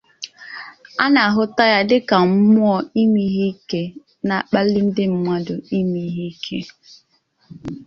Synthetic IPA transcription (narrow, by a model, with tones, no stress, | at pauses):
a˦na˨a˨ɦʊ˦ta˦ja˦dɪ˦ka˨m̩˦mʊ˦ɔ˦i˦mi˦ɦi˦ke˦ | na˨k͡pa˦li˦n̩˦dɪ˦m̩˦ma˦dʊ˨i˦mi˨˦ɦi˦kʰe˦